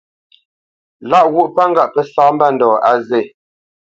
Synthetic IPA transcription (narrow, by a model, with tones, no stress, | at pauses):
la˦ʔwu˦ʔpa˦ŋ̩˦ɡa˦ʔpɛ˨sa˦m˦ba˦˨n̩˨dɔː˨a˦ze˦˨